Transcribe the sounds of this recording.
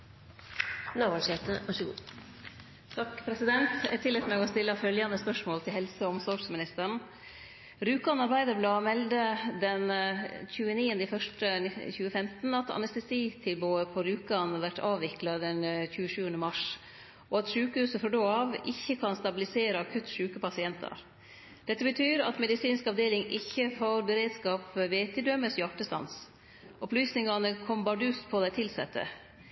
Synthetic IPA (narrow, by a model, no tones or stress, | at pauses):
nɑːʋɑlʂeːt̪əʋɑʂɡ | t̪ʰɑkpʰɾɛsɪd̪ɛnt̪ɛ̰t̪ʰɪlɛt̪mɛɡɔst̪ɪlːəfœljɑnəspœʂmoːlt̪ʰɪlhɛlsəɔmsɔʂmɪnɪst̪əɳ̩ | ɾʉːkɑnɑɾbæɪd̪əblɑːmɛld̪əd̪ɛnçʉːəniːənəɪfœʂʈəçʉːəfɛmt̪n̩ɑt̪ɑ̰nɛst̪ɛsiːt̪ʰɪlbuːəpʰɔɾʉːkɑnəʋæʈːɑːʋʋɪklɑd̪ɛnçʉːəʃʉːənəmɑʂ | ʔɔɑt̪ʂʉːkəhʉːsəfɾɔɖoːɑʋɪçːəkʰɑnst̪ɑbɪlɪseːɾəɑkʰʉt̪ːʂʉːkəpɑsɪɛnt̪ʰɑ̰ɾ | d̪̥ɛt̪ːəbət̪ʰyːɾɑ̰t̪mɛd̪ɪsiːnskɑʋd̪eːlɪŋʔɪçːəfoɾbəɾeːd̪skɑːpʋeːt̪ʰɪd̪œməsjɑʈːəst̪ɑ̰ns | ʔɔplyːsnɪŋɑnəkʰɔmbɑɖʉːspʰɔd̪æɪt̪ʰɪlsɛt̪ʰːə̰